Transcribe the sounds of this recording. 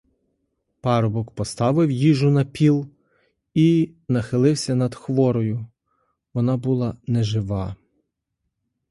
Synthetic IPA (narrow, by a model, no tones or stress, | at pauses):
pɑɾɔbɔkpɔst̪ɑʋɪwjiʒʊnɐpʲilˠ | i | nɐxɪlˠɪwsʲɐnɐd̪xʋɔɾɔjʊ | ʋɔnɑbulˠɑnɛʒɪʋɑ